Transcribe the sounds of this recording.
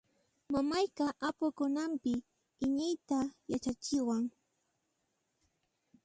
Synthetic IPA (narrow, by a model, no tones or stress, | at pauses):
mamajkaʔapʊkʊnampɪ | ɪɲɪjt̪ajat͡ʃat͡ʃɪwaŋ